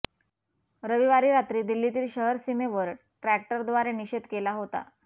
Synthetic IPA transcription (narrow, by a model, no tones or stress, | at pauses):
ɾəʋiʋaɾiːɾat̪ɾiːd̪ilːit̪iːlɕəɦəɾsimeʋəɾ | ʈɾæk̚ʈəɾd̪ʋaɾeniɕed̪kelaɦot̪a̰